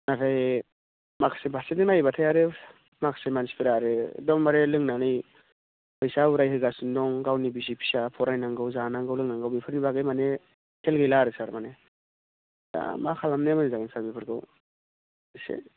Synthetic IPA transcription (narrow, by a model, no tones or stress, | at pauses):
natʰaj | makʰsebʱasedɯŋnajbatʰajaɾɯ | makʰsemansi̥pʰiɾaɾɯdɔŋmaɾelɯŋnanɯj | pʰɯjsauɾajɦɯɡasundɔŋɡawnibizipʰi̥sapʰɔɾajnaŋɡɯwzanaŋɡɯwlɯŋnaŋɡɯwbipʰɯɾnibaɡɯjmane | kʰelɡɯjlaɾɯsaɾmane | da̰makʰalamnemɯnizaŋɯnsaɾbipʰɯɾɡɯ̰w | sḛ